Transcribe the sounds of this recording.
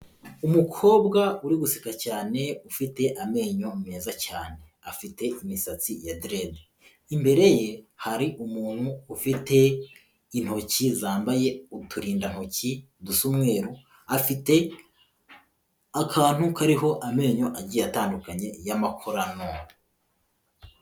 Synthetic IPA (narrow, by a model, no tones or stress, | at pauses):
umukʰo̞ːbɡauɾiɡusi̥kacaːne̞ufite̞ʔame̞ːɲo̞mumeːzacaːne̞afite̞imisat͡sijadɾede | imbe̞ɾe̞je̞haɾiʔumuːn̥huːfite̞ | in̥ho̞cizaːmbaje̞utʰuɾiːndan̥ho̞ci | dusumŋwe̞ːɾu | afite̞ | akʰaːn̥hukaɾiɦo̞ʔame̞ːɲo̞ʔaɟijataːndukaɲe̞jamakʰoɾano